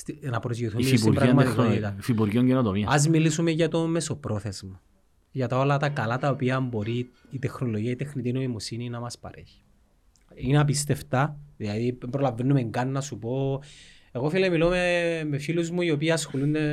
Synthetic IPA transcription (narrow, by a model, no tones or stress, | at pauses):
st̪inɐpɾozjoθuliispuiɾpɐiɐmɐtikɾonit̪ɐfipuɾʝioɲɟenot̪omiɐɐzmilisumeʝɐt̪ome̞so̞pɾo̞θe̞zmɐ | ʝɐt̪ɐo̞lɐt̪ɐkɐlɐt̪ɐopiɐmbo̞ɾiː | t̪exnoloʝiɐit̪exnit̪inoimosininɐmɐspɐ̰ɾe̞̰çi̥ | inɐp̬ist̪e̞ft̪ɐðilɐðippɾolɐvːenːumeŋɡɐnːɐsupo̞ | eɣofilemilomemefiluzmuio̞p̬iɐɐsxolund̪e